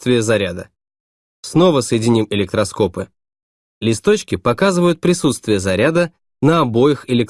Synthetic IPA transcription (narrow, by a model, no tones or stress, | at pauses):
t̪vʲɪjəzɐɾʲad̪ə | sno̞vəsəjɪdʲɪnʲimɪlʲɪk̚t̪ɾɐsko̞pɨ | lʲɪst̪ot͡ɕkʲɪpɐkazɨvəjʊt̪̚pɾʲɪsut̪st̪vʲɪjəzɐɾʲad̪ə | nəɐbo̞jɪxɪlʲɪk